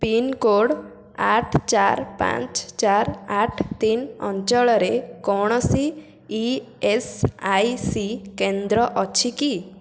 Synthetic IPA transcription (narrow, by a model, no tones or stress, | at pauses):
pinkoɽ | aʈʰt͡ʃaɾpã̰t͡ʃt͡ʃaɾaʈʰt̪inɔ̰ɲt͡ʃɔɭɔɾekɔɽ̃ɔsi | i | esajsikẽnd̪ɾɔʔɔt͡ʃʰiki